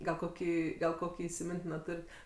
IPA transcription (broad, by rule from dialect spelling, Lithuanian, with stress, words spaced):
ɡɐlˠ ˈkoːkʲiː ɡɐlˠ ˈkoːkʲiː iːsʲɪˈmʲɪnʲtʲɪnoː ˈtʊrʲɪt